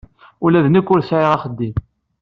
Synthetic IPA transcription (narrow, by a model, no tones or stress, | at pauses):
ulæðnəkːʊɾsʕiʁaχəd̪ːim